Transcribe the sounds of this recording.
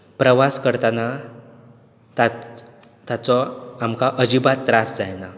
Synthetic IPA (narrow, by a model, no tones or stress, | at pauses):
pɾəʋaskəɾt̪ana | t̪a | t̪at͡sɔamkaʔəd͡ʑibat̪ːɾasd͡zajna